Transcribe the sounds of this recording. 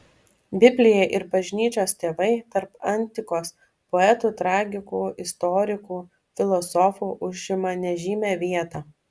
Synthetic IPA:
bʲɪbʲlʲɪjɛʔɪɾbɐʒʲnʲiːt͡ʃʲoːst̪ʲeːʋɐɪt̪ɐɾpɐnʲt̪ʲɪkoːs | pɔɛt̪uːt̪ɾɑːɡʲɪkuːɪst̪ɔɾʲɪkuː | fʲɪlˠɔsɔfuːʔʊʒʲɪmɐnʲɛʒʲiːmʲæːʋʲiɛt̪ɐː

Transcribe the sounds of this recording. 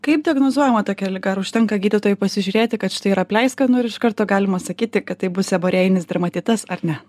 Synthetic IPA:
kɐɪp̚dʲɪɐɡnoːzuɔjɛmɐt̪oːkʲɛlʲɪɡɐɐɾʊʃʲt̪ʲɛŋkɐɡʲiːd̪ʲɪt̪oːjɛpɐsʲɪʒʲʊːɾʲeːt̪ʲɪkɐt̪ʃʲɪ̥t̪ɐɪiɾɐpʲlʲɛɪskɐnʊɪɾɪʃkɐɾt̪oːɡɑːlʲɪmɐsɐkʲiːt̪ʲɪkɐt̪t̪ːɐɪbʊsʲɛboːɾʲeːjɪnʲɪsd̪ʲɾɐmɐt̪ʲɪːt̪ɐsɐɾnʲɛ

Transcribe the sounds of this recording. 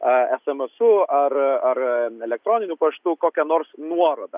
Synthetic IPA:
ɐɛsɛmɛsʊɐɾɐɾɛlʲɛk̚t̪ɾoːnʲɪnʲupɐʃt̪ʊkoːkʲɛnoːrsnuɔɾoːd̪ɐ

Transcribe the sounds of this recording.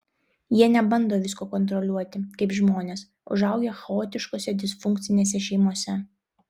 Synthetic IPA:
jiɛnʲɛbɐnd̪oːʋʲɪskoːkɔnt̪ɾɔlʲuɔt̪ʲɪkɐɪpʒmoːnʲeːs | ʊ̰ʒɐʊɡʲexɐoːt̪ʲɪʃkoːsʲɛd̪ʲɪsfʊŋʲˑk̚t̪sʲɪnʲeːs̬ʲɛʃʲɛɪmuɔsʲɛ

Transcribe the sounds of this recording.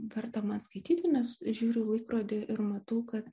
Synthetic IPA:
ʋʲɛrt̪ɐmɐskɐɪt̪ʲiːt̪ʲɪnʲɛsʒʲuːɾʲʊlˠɐɪkɾoːd̪ʲɪʔɪɾmɐt̪ɐʊkɐt̪

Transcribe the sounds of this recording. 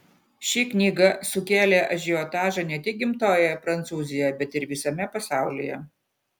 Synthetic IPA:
ʃʲiknʲiːɡɐsʊkʲeːlʲeːʔɐʒʲiɔːt̪ɑːʒɐnʲɛt̪ʲɪk̚ʲɡʲɪmt̪oːjɛjpɾɐnt̪suːzʲɪjojɛbʲɛt̪ɪɾʋʲɪsɐmʲɛpɐsɑˑʊlʲɪːjɛ̰

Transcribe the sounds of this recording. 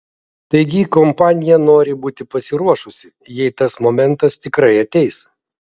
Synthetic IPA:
t̪ɐɪɡʲɪkɔmpɑːnʲɪjɛnoːɾʲɪbuːt̪ʲɪpɐsʲɪɾuɔʃʊsʲɪ | jɛɪt̪ɐsmɔmʲɛnt̪ɐst̪ʲɪkɾɐɪɐt̪ʲɛɪs

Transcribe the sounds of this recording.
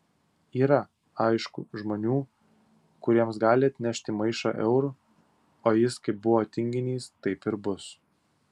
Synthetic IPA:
iːɾɐ | ɑɪʃkʊ̰ʒmoːnʲuː | kʊɾʲiɛmsɡɑːlʲɪɐt̪ʲnʲɛʃʲt̪ʲɪmɐɪʃo̰ːʔɛʊɾu | oːjɪskɐɪp̚bʊʋoːt̪ʲɪŋʲɡʲɪnʲiːst̪ɐɪpɪɾbʊs

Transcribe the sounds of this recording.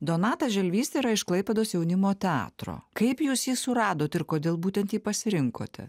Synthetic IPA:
d̪oːnɑːt̪ɐʒʲɛlʲʋʲiːst̪ʲeiɾɐɪʃklˠɐɪpʲɛd̪oːsjɛʊnʲɪmoːt̪ʲɛɑ̰ːt̪ɾo̰ːkɐɪpjuːsjiːsʊɾɑːd̪oːt̪ʲɪɾkoːd̪ʲeːlˠbuːt̪ʲɛnt̪jiːpɐsʲɪɾʲɪŋko̰ːt̪ʲɛ̰

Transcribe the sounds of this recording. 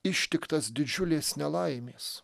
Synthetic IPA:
ɪʃʲt̪ʲɪkt̪ɐsd̪ʲɪd͡ʒʲʊlʲeːsnʲɛlˠɐɪmʲeːs

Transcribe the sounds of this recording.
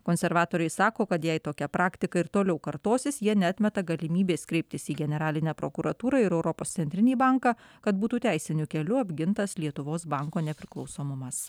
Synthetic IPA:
koːnʲsʲɛɾʋɑːt̪oːɾʲɛɪsɑːkoːkɐt̪jɛɪt̪oːkʲɛpɾɑːkt̪ʲɪkɐɪɾt̪oːlʲɛʊkɐɾt̪oːsʲɪsjiɛnʲɛɑt̪ʲmʲɛt̪ɐɡɐlʲɪmʲiːbʲeːskɾʲɛɪp̚ʲt̪ʲɪsiːɡʲɛnʲɛɾɑːlʲɪnʲæːpɾo̰kʊɾɐt̪uːɾɑɪɾɛʊɾɔpoːssʲɛnʲt̪ʲɾʲɪnʲiːbɑŋkɑkɐt̪̚buːt̪uːt̪ʲæˑɪsʲɪnʲʊkʲɛlʲʊɐbʲɡʲɪnt̪ɐslʲiɛt̪ʊʋoːsbɑˑŋkoːnʲɛpʲɾʲɪklˠɒʊsoːmʊmɐs

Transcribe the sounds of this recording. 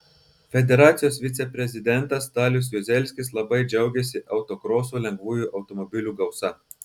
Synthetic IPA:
fʲɛd̪ʲɛɾɑːt̪sʲɪjoːsʋʲɪt̪sʲɛpʲɾʲɛzʲɪd̪ʲɛnt̪ɐst̪ɑːlʲʊs̬jʊzʲɛlʲsʲkʲɪslˠɐbɐɪd͡ʒʲɛʊɡʲɛsʲɪʔɐʊt̪okɾoːsoːlʲɛŋɡʋuːjuːˑʔɐʊt̪ɔmɔbʲɪlʲuːɡɐʊsɐ

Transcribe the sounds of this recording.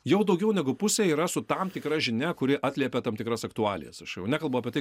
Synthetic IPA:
jɛʊd̪ɒʊɡʲɛʊnʲɛɡʊpʊsʲeːiːɾɐsʊt̪ɐmt̪ʲɪkɾɐʒʲɪnʲɛkʊɾʲɪʔɑːt̪ʲlʲiɛpʲɛt̪ɐmt̪ʲɪkɾɐsɐkt̪ʊɑːlʲɪ̰jɛ̰sɐʃjɛʊnʲæːkɐlˠbɐʊɐpʲiɛt̪ɐɪ

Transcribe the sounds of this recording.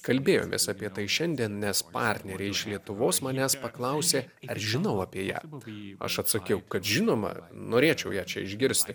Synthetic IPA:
kɐlʲbʲeːjo̰ːmʲʔḛːsɑːpʲiɛt̪ɐɪʃʲɛnʲd̪ʲiɛnnʲɛspɑːɾʲt̪ʲnʲɛɾʲeːɪʃlʲiɛt̪ʊʋoːsmɐnʲæːspɐklˠɐʊsʲeːɐɾʒʲɪnɐʊɐːpʲiɛjæ̰ːɐ̰ʃɐt̪sɐkʲɛʊkɐt̪ʒʲɪnoːmɐ̰noːɾʲeːt͡ʃʲɛʊjæːt͡ʃʲɛ̰ɪʒʲɡʲɪɾʲsʲt̪ʲɪ

